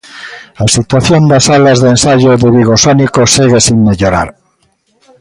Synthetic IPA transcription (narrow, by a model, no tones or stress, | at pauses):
asit̪waθjond̪asalazðensaʝoðeβiɣ̞osonikosiɣ̞esiŋmeʎoɾa̰ɾ